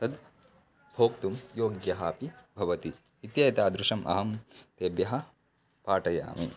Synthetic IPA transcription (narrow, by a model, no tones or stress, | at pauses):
t̪ɐd̪ | bʱoːkt̪umjoːɡjɐɦaːpibʱɐʋɐt̪iː | t̪jɐjɐt̪aːd̪ɾuʃɐmʔɐ̰ɦɐmt̪eːbjɐɦɐ̆ | paːʈɐja̰ːmḭ